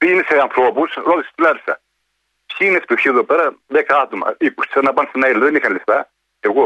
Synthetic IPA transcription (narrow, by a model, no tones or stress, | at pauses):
piineseɐnθɾopusɾot̪ise̥st̪ilɐɾisɐ̰ | pçiinespiçioðopeɾɐðekɐt̪umɐ̰ikust̪sɐnɐpɐnsnɐilɐðenixɐnleft̪ɐ | eɣo